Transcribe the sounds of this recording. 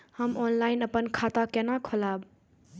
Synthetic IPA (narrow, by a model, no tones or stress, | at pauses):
həmɔnlaɪnəpənkʰat̪akenakʰɔlab